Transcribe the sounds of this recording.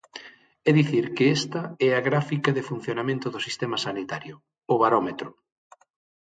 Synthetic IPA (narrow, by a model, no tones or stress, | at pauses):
ɛðiθiɾkɪɛst̪ɐɛaɣɾafikɐðɪfun̟θjonamẽnt̪ʊðʊsist̪ɛmɐsanit̪aɾjʊ | ʊβaɾɔmet̪ɾʊ